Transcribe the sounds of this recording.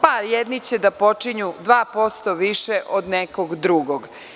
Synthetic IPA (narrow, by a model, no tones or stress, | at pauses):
paɾjɛd̪nit͡ɕed̪apo̞t͡ʂiɲud̪ʋaːpo̞st̪oʋiʃɛʔod̪nɛkoɡd̪ɾuɡoɡ